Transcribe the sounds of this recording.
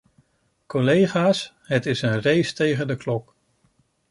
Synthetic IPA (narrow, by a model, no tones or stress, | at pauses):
kɔlejχaːs | ɦətɪsənrejstejχəndəklɔk